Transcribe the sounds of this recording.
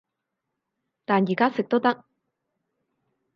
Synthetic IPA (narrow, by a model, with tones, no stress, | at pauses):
t̪aː˨˩njiː˨˩kaː˥sɪ˨k̚t̪o˥t̪ɐ˥k̚